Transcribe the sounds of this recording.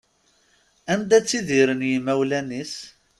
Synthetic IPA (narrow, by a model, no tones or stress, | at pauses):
ænd̪æt͡sːiðiɾənjimæwlænis